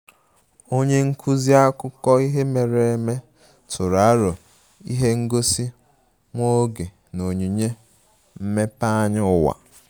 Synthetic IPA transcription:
o˦ɲe˦ŋ̩˦kʰu˦zi˦a˦kʊ˦kɔ˦i˦ɦe˦me˨ɾe˨e˨me˦ | tʰʊ˨ɾa˨˦ɾʊ˨ | i˦ɦe˦ŋ̩˦ɡo˦si˦ | ŋʷo˦ɡe˨ | no˨ɲi˨ɲe˦ | m̩˦me˦pa˦ɲɪ˦ʊ˨wa̰˨

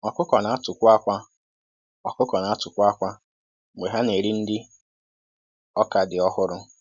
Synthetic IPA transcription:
ɔ˨kʊ˦kɔ˨na˨˦a˦tʊ˨kʷa˦kʷa˦ | ɔ˨kʊ˦kɔ˨na˨˦a˦tʊ˨kʷʊ˦a˦kʷa˦˨ | ŋʷe˨ɦa˦ne˨ɾi˦n̩˦dɪ˦ | ɔ˦ka˨dɪ˨ɔ˦hʊ˦ɾʊ˦

